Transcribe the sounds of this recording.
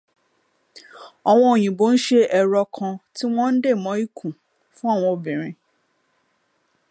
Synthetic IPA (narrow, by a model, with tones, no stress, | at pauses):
ɔ˧w̃ɔ̃˧o˨j̃ĩ˨bo˨˦n̩˦ʃe˦ʔɛ˧ɾɔ˧kʰã˧ti˦w̃ɔ̃˦n̩˦de˦˨mɔ̃˨˦i˦kʰũ˨ | fũ˦a˦˨w̃ɔ̃˧o˨bĩ˨ɾ̃ĩ˧